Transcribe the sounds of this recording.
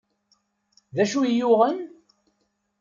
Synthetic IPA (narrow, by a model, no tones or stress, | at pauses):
ðæʃujʊʁən